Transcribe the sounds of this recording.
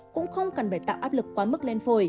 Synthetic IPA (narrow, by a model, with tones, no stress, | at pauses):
kʊ̰˧˥ŋ͡mxə˧wŋ͡mkə˨˩nɓa˨˧˩jt̪a̰ː˧˨wʔaː˦˥p̚lɨ˨˩kːwaː˨˧mə˦˥k̚le˧nfo˨˩j